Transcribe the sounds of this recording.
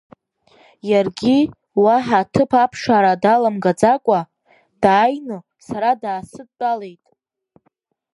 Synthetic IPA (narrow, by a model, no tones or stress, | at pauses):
jarɡʲi | waħatʰɨpʰapʰʂaɾadalamɡad͡zakʷʼa | d̥aːjnɨ | saɾadaːsɨd̚tʼalejtʼ